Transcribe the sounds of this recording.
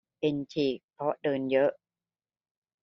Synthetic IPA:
pe˧nt͡ɕʰiː˨˩k̚pʰɾɔ˦˥ʔdɤː˧njɤ˦˥ʔ

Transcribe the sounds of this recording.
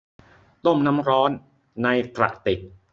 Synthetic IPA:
t̪o˥˩mna˦˥mɾɔː˦˥nː | a˧jk̪ɾa̰˨˩ʔt̪e˨˩k̚

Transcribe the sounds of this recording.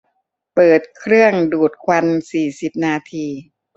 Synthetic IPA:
pɤː˨˩t̪̚kʰɾɯ˥˩əŋduː˨˩t̪̚kʰwa˧nsiː˨˩si˨˩p̚naː˧t̪ʰiː˧

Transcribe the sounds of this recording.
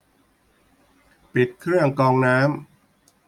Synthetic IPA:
pi˨˩t̪̚kʰɾɯ˥˩əŋkɔː˧ŋnaː˦˥m

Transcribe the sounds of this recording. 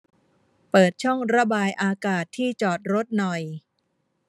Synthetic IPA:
pɤː˨˩t̪̚t͡ɕʰɔ˥˩ŋɾa˧baː˧jʔaː˧kaː˨˩t̪ʰːiː˥˩t͡ɕɔː˨˩t̪̚ɾo˦˥t̪̚nɔ˨˩j

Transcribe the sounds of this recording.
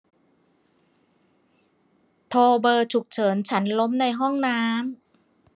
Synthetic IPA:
t̪ʰoː˧bɤː˧t͡ɕʰu˨˩k̚t͡ɕʰɤː˩˦nt͡ɕʰa˦˥nlo˦˥mna˧jɦɔ˥˩ŋnaː˦˥m

